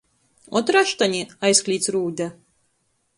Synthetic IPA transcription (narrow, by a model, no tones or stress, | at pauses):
ɔt̪ɾaʃt̪anʲiajsklʲiːt̪sɾuːd̪ʲa